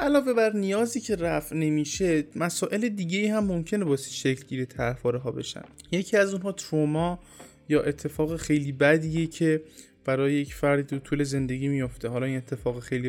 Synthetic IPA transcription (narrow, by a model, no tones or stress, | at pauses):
ʔælɒːve̞bæɾnijɒːziːcʰe̞ɾæfne̞miːʃe̞mæsɒːʔe̞led̪iːɟe̞iːhæmːomcʰe̞ne̞bɒːsi̥ːʃeclɟiːɾet̪ʰæfɒːɾeɦɒːbe̞̰ʃæ̰nd̪je̞cʰiːæzunɦɒːt̪ʰɾomɒː | jɒːʔe̞t̪ʰːe̞fɒːɣexejliːbæd̪iːjecʰe | b̥æɾɒːjejecfæɾd̪iɾut̪ʰuːle̞ze̞nd̪e̞ɟiːmijo̞ft̪eɦɒːlɒːiːnet̪ʰːe̞fɒːɣexejli